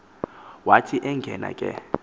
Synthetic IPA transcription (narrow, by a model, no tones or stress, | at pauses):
watʰiʔɛŋɡʱɛna̰kʼɛ̰